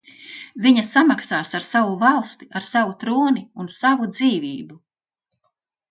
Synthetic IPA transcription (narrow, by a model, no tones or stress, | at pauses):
viɲasamaksaːsaɾsavuvalˠst̪i̥aɾsavut̪ɾuːniunsavud̪ziːviːbu